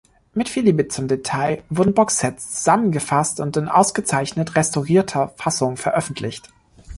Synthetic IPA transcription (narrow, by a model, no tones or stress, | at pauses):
mɪtfiliːbɪt͡sʊmdetʰaɪvʊɐdn̩bɔksɛt͡st͡st͡suz̥amənɡəfastʊntɪnʔa̰ʊsɡ̥ət͡saɪçnətʁɛstɔʁiːɐtʰɐfasʊŋfɛɐʔœfn̩tʰlɪçt